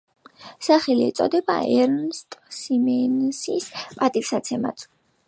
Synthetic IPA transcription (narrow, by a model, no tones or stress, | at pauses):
saχɛliɛ̰t̪sʼɔ̰d̪ɛba̰ɛɾnst̪ʼsimɛnsispʼat̪ʼifsat̪sʰɛma̰t̪ʰ